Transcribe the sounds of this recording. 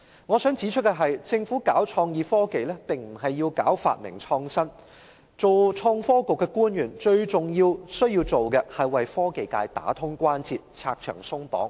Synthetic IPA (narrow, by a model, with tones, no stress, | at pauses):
ŋɔː˨˧sœː˨˥ŋt͡siː˨˥t͡ʃʰɵ˥kːɛ˧ɦɐ˨jt͡sɪ˧ŋfu˨˥kaː˨˥wt͡ʃʰɔː˧ŋjiː˨˧fɔː˥ke˨jlɛː˥pɪ˨˩ŋm̩˨˩ɦɐ˨jːiː˧wka̰ː˨˥wfa̰ː˨t̚mɪ̰˨˩ŋt͡ʃʰɔː˧ŋsɐ˥n | t͡so˨wt͡ʃʰɔː˧ŋfɔː˥kʊ˨kːɛ˧kuː˥njyː˨˩nt͡ʃɵ˧ɥt͡sʊ˨˩ŋjiː˧wsɵ˥ɥji˧wt͡so˨wkɛ˧hɐ˨˩jwɐ˨jfɔː˥ke˨jka̰ː˧jt̪a̰ː˨˥t̪ʰʊ˥ŋkʷaː˥nt͡sʰiː˨t̚t͡sʰa̰ː˧k̚t͡ʃʰœ̰ː˨˩ŋsʊ˥ŋpɔ̰ː˨˥ŋ